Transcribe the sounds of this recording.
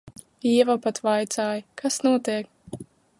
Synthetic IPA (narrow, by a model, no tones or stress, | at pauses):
iɛvapat̪vajt̪saːjkasnuɔt̪iɛk